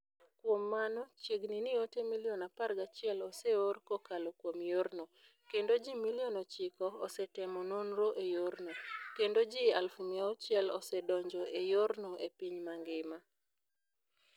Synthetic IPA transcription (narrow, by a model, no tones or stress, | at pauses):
kwomːanɔt͡ʃjeɡninɪotemilionaparɡat͡ʃɪɛlɔseorkokalokwomjorno | kendod͡ʒimilijonɔt͡ʃɪkɔːsɛtɛmɔnonɾoʔejornokendod͡ʒialfumiaɔt͡ʃɪɛlɔ̰sɛdɔɲd͡ʒoʔejoɾnoepiɲmaŋɡɪma